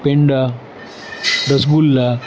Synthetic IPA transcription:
peɳɖa | ɾɐsɡulːa

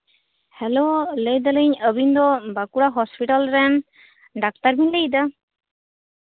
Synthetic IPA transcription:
hɛlolejd̪aləɲəbind̪ɔbakuɽaɦɔspiʈalɾɛn | ɖak̚t̪aɾminlejd̪a

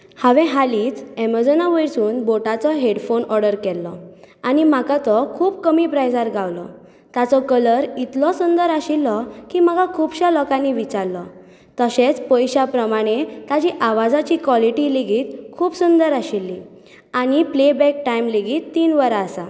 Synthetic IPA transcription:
haʋɛ̃ɦaliːt͡sɛməɾd͡zənaʋəjsuːnboʈat͡sɔɦeɽfonɔɾɖəɾkɛlːɔ̰añim̤akat̪ɔkʰuːb̚kəmiːpɾajd͡zaɾɡawlɔ | t̪at͡sɔkələɾit̪lɔsund̪əɾaɕilːɔkim̤aɡakʰuːbɕalɔkãnːiʋit͡ɕaɾlɔ | t̪əɕet͡spəjɕapɾəmaɽ̃et̪ad͡ʑiʔaʋad͡zat͡ɕikʋɔliʈileɡiːt̪kʰuːpsund̪əɾaɕilːi | aɽ̃iplebɛk̚ʈaimleɡiːt̪ːiːnʋəɾaːsa

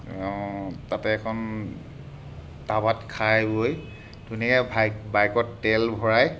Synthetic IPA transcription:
tatɛːkʰɔn | tabatkʰajboj | dunikɛbajbajkɔttɛlbʱɔɹaj

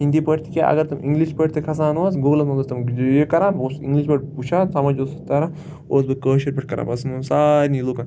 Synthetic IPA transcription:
hind̪ipɐʈt̪ʰi̥kʲeʔɐ̰ɡɐɾt̪ɐmiŋɡliʃpɐʈt̪ʰikʰɐsaːnʋaːsɡoɡlɐmɐɡ̪ɐɾt̪ɐmjekɐɾaːnboːsḭŋɡliʃbɐʈput͡ʃʰaːnsɐmɐd͡ʒoːsɐt̪ɐɾa | oːs̬bɐkəːʃɐɾpɐʈkɐɾa̰ːbɐsnɐnsaːɾniloːkaːn

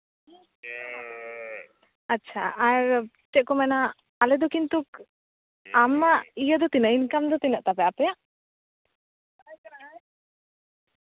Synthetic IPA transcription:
atːʃʰaaɾ | ʈɛʔkːomɛnaː | led̪okint̪uk | amːaʔijəd̪ot̪inainkamd̪ot̪inəʔt̪apɛapɛjaʔ

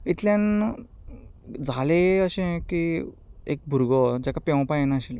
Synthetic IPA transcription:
it̪ljãn | d͡zʱaleəɕẽki | ḛk̚bʱuɾɡɔd͡ʑakapẽw̃pajenaəɕil

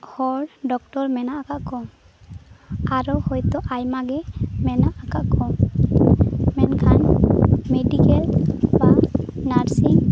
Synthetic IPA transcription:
hɔɹdɔk̚tɔɹmɛnaakaʔkɔ | aɹɔhɔjt̪ɔʔajmaɡɛmɛnaʔakakʰɔ | mɛnkʰanmedikɛlbanaɹsiŋ

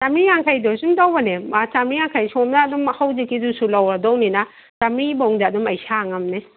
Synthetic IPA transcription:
samiŋaŋkʰajdosumtawbaneat͡ʃamiŋaŋkʰajsɔmnaːdumɐhawzekidusulawɾadownina | t͡ʃamibowŋdaːdumɐjsaŋɐmne

